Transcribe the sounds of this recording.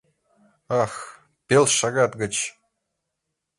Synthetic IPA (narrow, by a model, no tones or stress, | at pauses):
ɑx | pʲelʲʃɑɡɑt̪ɡə̆t͡ɕ